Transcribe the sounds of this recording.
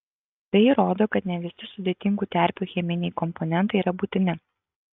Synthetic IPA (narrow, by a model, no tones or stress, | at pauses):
b̪ʲɛjɪɾoːd̪oːkɐt̪nʲɛʋʲɪsʲɪsʊd̪ʲeːt̪ʲɪŋɡuːt̪ʲɛˑɾʲpʲuːxʲɛmʲɪnʲɛɪkɔmpɔnʲɛnˑt̪ɐɪiːɾɐbuːt̪ʲɪnʲɪ